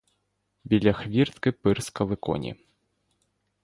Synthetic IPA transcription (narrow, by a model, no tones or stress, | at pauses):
bʲilʲɐxvʲirt̪kɨpɨrskɐlˠɨkɔ̰nʲḭ